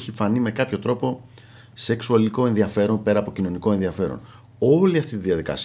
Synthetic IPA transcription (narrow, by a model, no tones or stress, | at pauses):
çifɐnime̞kɐpço̞t̪ɾo̞po̞ | se̞ksuɐliko̞e̞nðiɐfe̞ɾo̞npe̞ɾɐːpo̞cino̞niko̞e̞nðiɐfe̞ɾo̰n | o̞liɐft̪it̪iðiɐðikɐ̰s